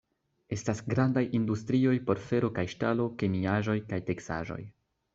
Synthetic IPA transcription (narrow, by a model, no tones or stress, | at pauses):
e̞stasɡɾandajindustɾio̞jpo̞ɾfe̞ɾo̞kajʃtalo̞ke̞miaʒo̞jkajte̞ksa̰ʒo̞̰j